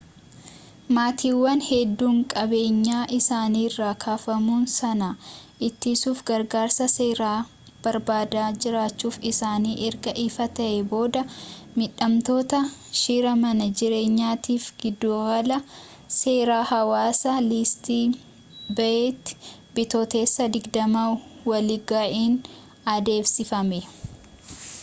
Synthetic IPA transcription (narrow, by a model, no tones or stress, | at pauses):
maːt̪ʰiːwːɐnhɛd̪ːuːŋkʼɐbe̞ːɲːaːʔɪsaːniːrːaːkʰaːfɐmuːnsɐnaʔɪt̪ːisuːfɡɐɾɡaːɾsɐse̞ːɾaː | b̥ɐɾbaːd̪aːd͡ʒɪɾaːt͡ʃːuːfɪsaːniːʔɛɾɡɐʔiːfɐt̪ɐʔɛbo̞ːd̪ɐmɪᶑɐmt̪o̞ːt̪ɐʃiːɾɐmɐnɐd͡ʒɪɾe̞ːɲːaːt̪iːfɡɪd̪ːoːɡɐlɐ | se̞ːɾaːhɐwaːsɐlɪst̪iː | bɐeːt̪ːbɪt̪ot̪e̞ːsːɐd̪ɪɡd̪ɐmawɐlɪɡaːʔiːn | ɐd̪e̞ːfsɪfɐmɛ